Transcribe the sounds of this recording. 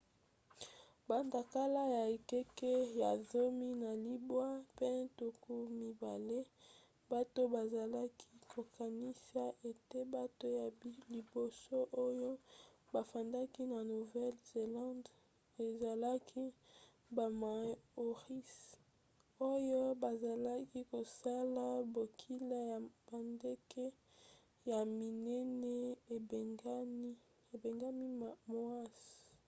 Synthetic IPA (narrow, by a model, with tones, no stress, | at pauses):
ba˨nda˨ka˦la˦ja˨e˨kɛ˦kɛ˦ja˨zo˦mi˦na˨li˦bwa˦pe˦tu˨ku˦mi˨ba˨le˦ | ba˦to˦ba˨za˨la˦kʰi˦kʰo˨ka˨ni˦sa˦ʔe˨te˦ba˦to˦ja˨˦li˨bo˨so˦ʔo˦jo˦ba˨fa˨nda˦ki˦na˨nu˨vɛ˦lze˨lã˦nd | e˨za˨la˦kʰi˦ | ba˨ma˨˦o˨ʁi˦s | o˦jo˦ba˨za˨la˦ki˦ko˨sa˦la˦bo˨kʰi˦la˦ja˨b̥a˨nde˦kʰɛ˦ | ja˨mi˨nɛ˦nɛ˦e˨ɡ | e˨be˨ŋɡa˦mi˦mo˦a˦s